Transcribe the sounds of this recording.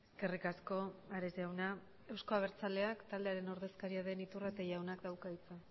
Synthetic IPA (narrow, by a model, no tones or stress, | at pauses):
kerikasko̞aɾezeawna | e̞wsko̞aβ̞e̞ɾt͡sale̞akt̪ald̪e̞aɾe̞no̞ɾðe̞skaɾiaðe̞nit̪uraet̪aʝawnakd̪awkait͡sa